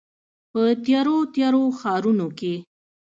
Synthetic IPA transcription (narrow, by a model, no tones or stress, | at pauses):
pət̪jɑɾot̪jɑɾoxɑɾunoke